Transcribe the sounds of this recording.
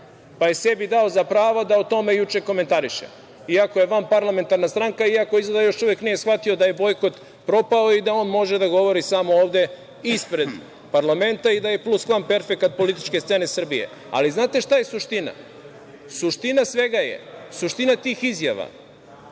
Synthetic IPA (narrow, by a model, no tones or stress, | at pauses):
paje̞se̞bid̪aozapɾaːʋod̪aot̪o̞me̞jut͡ʃe̞ko̞me̞nt̪aɾiʃḛ | iako̞je̞ʋampaɾlˠame̞nt̪aɾnast̪ɾaŋkaiako̞izlad̪ajo̞ʃuʋe̞knijesxʋat̪iod̪aje̞bo̞jko̞t̪ | pɾo̞pao̞id̪ao̞ːnmo̞ʒed̪aɡo̞ʋo̞ɾisamooːʋd̪e̞ | ispɾe̞d̪ | paɾlame̞nt̪aid̪aje̞plˠusklˠanpe̞ɾfekat̪̚po̞lit̪i̥t͡ʃkest̪senesr̩bije̞̰ | a̰liznaːt̪e̞ʃt̪aje̞suʃt̪ina̰ | suʃt̪inasʋe̞ɡajḛsuʃt̪inat̪iːxizja̰ʋa̰